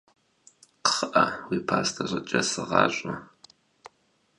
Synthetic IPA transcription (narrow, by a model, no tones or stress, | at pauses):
qə̥χəʔɐwiːpʰaːstʰɐʑʷʼɐt͡ʃʼɐsɨʁɑːɕʷʼʊ